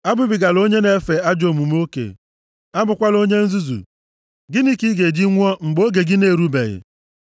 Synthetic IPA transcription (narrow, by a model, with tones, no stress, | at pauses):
a˦bʊ˦bɪ˨ɡa˨lo˦ɲe˦ne˨˦fe˨a˦d͡ʒo˨mu˨m˦o˦kḛ˨ | a˦bʊ˨kʷa˦lo˦ɲe˦n̩˦zu˦zṵ˨ | ɡɪ˦ni˦ki˦ɡe˨d͡ʒi˦ŋʷɔ˦ŋ͡m̩˨ɡ͡bo˦ɡe˨ɡɪ˦ne˦˨ɾu˦be˨ɣɪ̰˨